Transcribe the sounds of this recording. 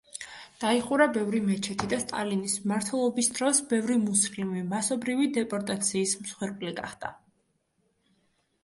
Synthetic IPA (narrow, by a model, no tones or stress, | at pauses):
d̪̥aiχuɾabɛvɾimɛt͡ʃʰɛt̪ʰid̪ast̪ʼa̰linismaɾt̪ʰwɛlˠɔbisd̪ɾɔsbɛvɾimusiχlimvimasɔbɾivid̪ɛpʼɔɾt̪ʼat̪sʰiːsmsχwɛɾpʼliɡa̰χd̪̥a